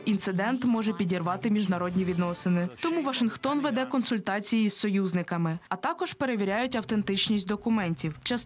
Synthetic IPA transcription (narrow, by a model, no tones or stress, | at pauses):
int̪sɪd̪ɛnt̪mɔʒɛpʲidʲirʋɑt̪ɪmʲiʒnɐɾɔdʲnʲiʋʲid̪nɔsɪnɪt̪ɔmuʋɐʃɪnxt̪ɔnʋed̪ɛkɔnsʊlʲt̪ɑt͡sʲijiz̥sɔjuznɪkɐmɪɐt̪ɑkɔʒpe̞ɾe̞ʋʲiɾʲajʊtʲɐwt̪e̞nt̪ɪt͡ʃnʲisʲtʲd̪ɔkʊmɛnʲtʲiwt͡ʃɐs